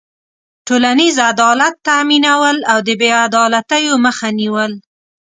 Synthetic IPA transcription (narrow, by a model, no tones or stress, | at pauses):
ʈolanizad̪ɑlat̪ːaminawəlawd̪əbead̪ɑlat̪əjoməxaniwəl